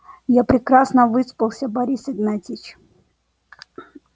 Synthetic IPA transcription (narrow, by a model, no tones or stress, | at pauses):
japɾʲɪkɾasnəvɨspəlˠsʲəbaɾʲisɪɡnat̪ʲit͡ɕ